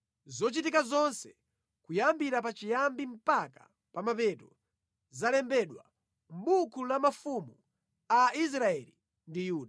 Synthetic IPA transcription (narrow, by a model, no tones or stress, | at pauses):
zɔt͡ʃitikazɔnsɛ | kujambiɾapat͡ʃijambim̩pakḁ̰ | pamapɛtɔ | zalɛmbɛɗwa̰ | m̩ɓukʰulamafumu | aʔis̬ɾaɛli | ndijuːɗa